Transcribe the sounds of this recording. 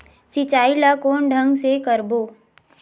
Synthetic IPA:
sit͡ʃaːilakoːɳɖʱə̃ŋɡsekəɾboː

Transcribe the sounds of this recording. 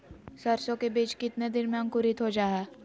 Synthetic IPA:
sɐɾsõkebiːt͡ʃkɪt̪ned̪ɪnmaə̃ŋkʊɾɪt̪ɦod͡ʒaːɦɛː

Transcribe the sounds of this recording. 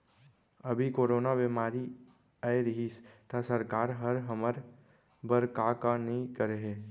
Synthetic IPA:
ɐbʱikoːɾoːnaʋemaːɾi | aeɾəɦist̪asəɾkaːɾɦəɾɦəməɾ | bəɾkakanĩkəɾeɦeː

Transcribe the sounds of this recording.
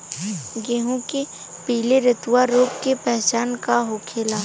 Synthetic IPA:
ɡeːɦõke | piːleɾɪt̪ʊwaɾoːkkepɛɦt͡ʃaːnkaɦoːkʰeːlaː

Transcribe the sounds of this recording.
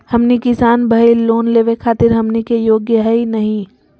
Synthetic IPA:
hɐmnikɪsaːnbʱɐiloːnleːʋekʰaːt̪ɪɾɦɐmnikejoːɡjəɦɐinɐɦĩ

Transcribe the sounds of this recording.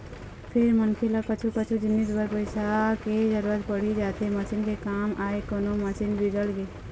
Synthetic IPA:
pʰɪɾmənkʰelakət͡ʃʰukət͡ʃʰud͡ʒinːisbəɾpəɪsaked͡ʒəɾuɾət̪pəɽ̤id͡ʒat̪ʰemat͡ʃinkekamaekonomasinbid̪əlɡe

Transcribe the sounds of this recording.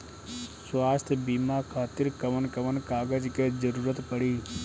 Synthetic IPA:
swaːst̪ʰjbiːmakʰaːt̪iɾkəʋənkəʋənkaːɡəd͡ʒked͡ʒəɾuːɾət̪pəɽiː

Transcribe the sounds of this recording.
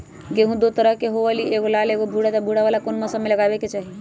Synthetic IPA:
keɦũd̪ot̪əɾəɦkeɦoʋəlieɡolaleɡobʱuɽat̪abʱuɽaʋalakonməsəmeləɡabeket͡ʃaːɦi

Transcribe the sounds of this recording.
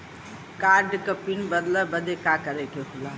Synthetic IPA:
kaːɾɖkəpinbəd̪ləbəd̪ekakəɾeʈʰjot̪ʰila

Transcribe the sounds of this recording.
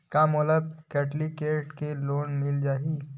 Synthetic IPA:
kamɔːləb̚kɛːʈlikeːʈkeloːnmɪld͡ʒaːɦi

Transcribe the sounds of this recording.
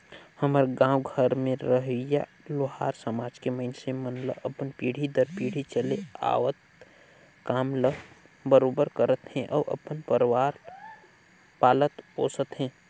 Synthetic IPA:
həməɾɡãːwɡʱəɾmẽɾəɦja | loɦaːɾsəmaːd͡ʒkeməɪnesemənlə̰ʔəpənpiːɽ̤id̪əɾpiːɽ̤it͡ʃəlea̰ːʋət̪̚ | kaːmlə | bəɾoːbəɾkəɾət̪hɛ̃ʔɔːɾʔə̰pənpəɾwaːɾ | paːlət̪ɦoːsət̪ɦɛ̃ː

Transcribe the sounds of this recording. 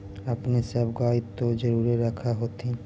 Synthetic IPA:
apnisabɡait̪ːod͡ʑoɾuɾeɾakʰaɦot̪ʰi

